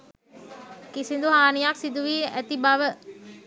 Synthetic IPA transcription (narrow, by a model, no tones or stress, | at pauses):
kisind̪uɦaːnijaksid̪uʋiːæt̪ibaʋə